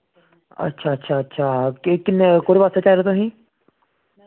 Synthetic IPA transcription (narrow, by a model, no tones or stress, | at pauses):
ə̰tːʃʰaːətːʃʰaːətːʃʰaːkːkɪnkoːɾiːʋaːst̪aːt͡ʃaːɾet̪oɦĩː